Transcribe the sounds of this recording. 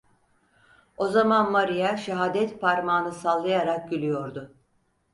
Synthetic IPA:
o̞zamanmaɾijaʃaɦaːd̪ɛt̪pʰaɾmaːnɯsalˠːajaɾak̚ɟylʲyjo̞ɾd̪ʊ

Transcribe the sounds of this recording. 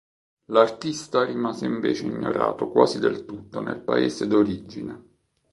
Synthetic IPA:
lart̪ist̪arimaːzeiɱveːt͡ʃeiɲːoɾa̰ːt̪okwaːzid̪elt̪ut̪ːonḛlpa̰eːsed̪oɾid͡ʒːine

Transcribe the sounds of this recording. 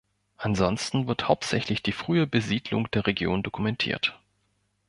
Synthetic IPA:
ʔanzɔnstn̩vɪɐthaʊp̚tz̥ɛçlɪçd̥iːfʁ̥yːəbəziːdlʊ̰ŋd̥eːɐʁeɡjo̰ːndokʰumɛntʰḭːɐt

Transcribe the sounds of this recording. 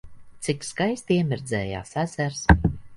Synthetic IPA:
t̪sikskajst̪iɛmiɾd̪zɛːja̰ːsæsæɾs

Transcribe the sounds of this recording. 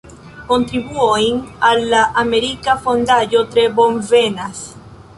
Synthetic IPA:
ko̞ntɾibuojnalːaʔame̞ɾikafo̞ndajo̞tɾe̞bo̞nve̞nas

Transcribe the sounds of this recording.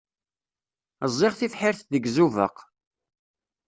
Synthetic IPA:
əzˤːɪʁθifħɪɾθðəɡzuvə̰q

